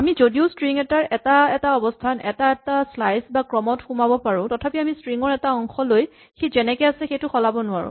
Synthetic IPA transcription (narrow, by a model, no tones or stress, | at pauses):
amizodiʊstɹiŋɛtaɹɛtaɛtaɔbɔstʰanɛ̰taɛtaslajsbakɹɔmɔtxumabɔpaɹʊ̃tɔtʰapiamistɹiŋɔɹɛtaɔŋxɔloj | xizɛnɛkɛjasɛxejtʊxɔlabɔnʊaɹʊ̰̃